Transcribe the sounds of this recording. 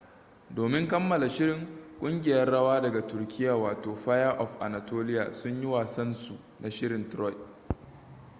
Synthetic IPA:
doː˨mɪ˦ŋkɐ˦mːɐ˨la˨ʃɪ˦ɾɪ˨ŋkʷʼʊ˦ŋɡʲɪ˨jɐ˦rɽɐ˦waː˦dɐ˨ɡa˨tʊ˨rkʲɪ˦jaː˨waː˨toː˨ɸaː˦ja˦ʔɔ˨ɸʔa̰˨na˨toː˦lɪ˦ja̰ː˨sʊ˦ɲji˦waː˨sɐ˦nsu˨ | na˨ʃɪ˦ɽɪ˨ntɾɔ˦j

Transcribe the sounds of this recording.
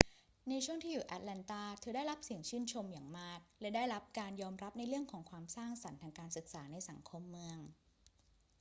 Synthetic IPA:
na˧jt͡ɕʰu˥˩əŋt̪ʰiː˥˩juː˨˩ʔa˧˥t̪̚lɛː˧nt̪aː˥˩t̪ʰɯː˨˩˦daː˥˩jɾa˦˥p̚si˨˩əŋt͡ɕʰɯː˥˩nt͡ɕʰo˧mjaː˨˩ŋmaː˥˩k̚lɛ˦˥daː˥˩jɾa˦˥p̚kaː˧njɔː˧mɾa˦˥p̚na˧jɾɯ˥˩əŋkʰɔː˩˦ŋkʰwaː˧msaː˥˩ŋsa˩˦nt̪ʰaː˧ŋkaː˧nsɯ˨˩k̚saː˩˦na˧jsa˩˦ŋkʰo˧mːɯ˧əŋ

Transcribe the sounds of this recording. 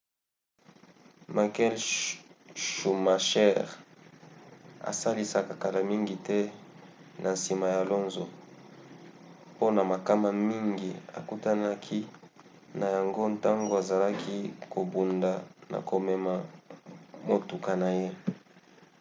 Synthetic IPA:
ma˨kɛ˦l | ʃu˨ma˨ʃɛ˦ʁ | a̰˨sa˦li˨sa˨ka˨ka˨la˨mi˦ŋɡi˨tɛ˦ | nʔa˨nsi˨ma˨ja˨lo˦nzo˨ | po˦na˨ma˨ka˦ma˨mi˦ŋɡi˨a̰˨ku˦ta˦na˦kʰi˦ | na˨ja˨ŋɡo˦nta˦ŋɡo˨a˨za˨la˦kʰi˦ko˨bu˨nda˨na̰˨ko˨me˨ma˨ | mo˨tu˨ka˨na˨je˦

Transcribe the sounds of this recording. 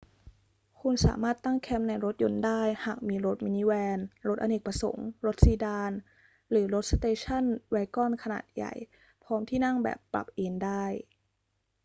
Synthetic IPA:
kʰu˧nsa̰ː˩˦maː˥˩t̪ːa˥˩ŋkʰɛ˦˥m̚na˧jɾo˦˥t̪̚jo˧ndaː˥˩jhaː˨˩k̚miː˧ɾo˦˥t̪̚miː˧niː˦˥wɛː˧nɾo˦˥t̪̚ʔa˧ne˨˩pɾa˧so̰˨˩˦ŋɾo˦˥t̪̚siː˧daː˧n | ɾɯː˩˦ɾo˦˥t̪̚st̪eː˧t͡ɕʰa˥˩nwɛː˧kɔ˥˩nkʰa˧na̰ː˨˩t̪̚ja̰˨˩j | pʰɔː˦˥mt̪ʰiː˥˩na˥˩ŋbɛ̰ː˨˩pːɾa̰˨˩p̚ʔeː˧ndaː˥˩j

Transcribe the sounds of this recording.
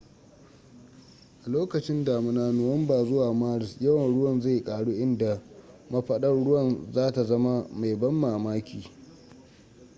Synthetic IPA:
ʔa˨loː˦kɐ˨t͡ʃɪ˦ndaː˨mɪ˦naː˦nʊ˨wɐ˦mbaː˨zʊ˦waː˨maː˦ɽɪ˨sjɐ˦wɐ˨nɽʊ˦wɐ˦˨nza˦˨jkʼaː˨ɽu˦ʔɪ˦nda˨mɐ˦ɸɐ˦ɗɐ˦ɽʊ˦wɐ˨nzaː˦ta˨zɐ˦ma˦ma˨jbɐ˦mːaː˨maː˦kʲiː˨

